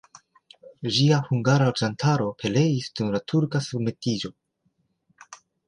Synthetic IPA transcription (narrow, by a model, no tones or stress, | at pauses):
ʒiahuŋɡaɾaɾd͡ʒantʰaɾo̞pʰe̞le̞jisdumlatʰuɾkasub̚me̞tid͡ʒo̞